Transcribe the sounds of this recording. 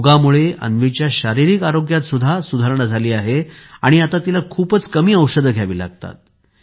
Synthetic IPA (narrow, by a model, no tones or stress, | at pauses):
ɡamuɭeə̰nʋit͡ɕjaɕaɾiɾikaɾoɡjat̪sud̪ʱasud̪ʱaɾɳad͡zʱaliːaɦeaɽ̃iat̪at̪ilakʰuːpət͡skəmiːəwʂəd̪ʱɡʱjaʋiːla̰ɡ̚t̪a̰t̪̚